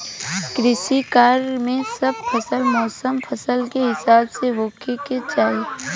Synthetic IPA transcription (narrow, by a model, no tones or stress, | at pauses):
kɾɪʃikaːɾmẽsɐb̚fʰɐsəlmɔːsəmfʰɐsəlkeɦɪsaːbseɦoːkeket͡ʃaːe